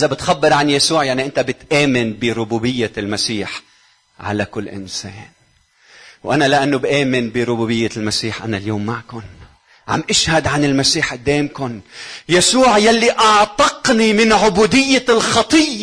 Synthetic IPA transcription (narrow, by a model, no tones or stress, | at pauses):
ʔɪzabɪt̪xabːɪɾˤʕanjasuːʕjaʕniʔɪnt̪abɪt̪ʔeːmɪnbɪɾʊbuːbɪjːalmasiːħ | ʕa̰lakʊlːʔɪ̰nsḛːn | wʔanalɪʔanːʊbʔeːmɪnbɪɾˤʊbuːbɪjːalmasiːħʔa̰naljoːmːaʕkʊn | ʕa̰mʔɪʃhad̪ʕanɪlmasiːħʔɪd̪ːeːmkʊnjasuːʕjalːiʔɑʕt̪ˤɑqnimɪnʕʊbuːd̪ɪjːalxɑt̪ˤɨjː